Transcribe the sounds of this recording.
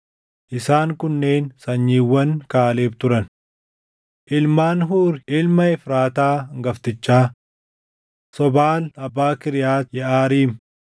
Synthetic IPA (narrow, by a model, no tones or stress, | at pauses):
ʔɪsaːŋkʊnːe̞ːnsɐɲːiːwːɐŋkaːleːft̪ʊɾɐn | ʔɪlmaːnɦuːɾɪlmɐɪfɾaːt̪aːŋɡɐft̪ɪt͡ʃːaː | sɔbaːlɐbːaːkɪɾɪjaːt̪jɛʔaːɾiːm